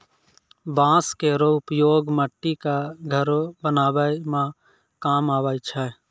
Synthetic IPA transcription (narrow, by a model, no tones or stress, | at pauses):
bãːskeɾoʊpjoːɡməʈːikaɡʱəɾobənaːʋəmã | kaːmaːʋajt͡ʃʰɛ